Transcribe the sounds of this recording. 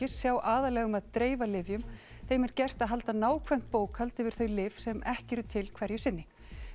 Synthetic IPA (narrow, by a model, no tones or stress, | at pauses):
ɪsːjawʔaːðalɛɣʏmaðt̪ɾeːjvalɪvjʏm | θejmɛɾcɛr̥t̪aðɦalt̪anaːwkʰvɛm̥t̪̚poːwkʰhalt̪ɪvɪɾ̥θœɥlɪvsɛmɛhcɪɛɾʏt̪ʰɪlkʰvɛɾjʏsɪnːɪ